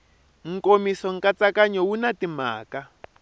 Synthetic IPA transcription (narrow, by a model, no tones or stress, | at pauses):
ŋ̩komisɔŋ̩kat͡sakaɲɔwunatima̰ːka